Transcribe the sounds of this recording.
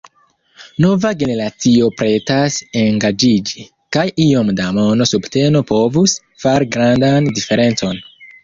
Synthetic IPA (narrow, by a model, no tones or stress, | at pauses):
no̞vaɡe̞ne̞ɾat͡sio̞pɾe̞taseŋɡad͡ʒid͡ʒi | kajio̞mdamo̞no̞subte̞no̞po̞vus | faɾiɡɾandandife̞ɾe̞nt͡so̞n